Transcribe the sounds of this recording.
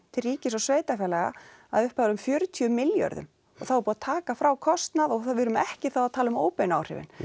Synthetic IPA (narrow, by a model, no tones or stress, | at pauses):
t̪ʰɪlriːcɪsɔsveːjt̪afɛːlɛɣa̰ | a̰ðʏhpaɾʏmfjœːɾʏt̪ʰiʏmɪljœ̰ɾðʏ̰m | ɔɣθawɾpuːat̪ʰaːkafɾawkʰɔst̪naðɔɣθavɪɾʏmɛhcɪθawaðt̪ʰaːlʏmoːwpejna̰ːwr̥ɪ̰vɪ̰n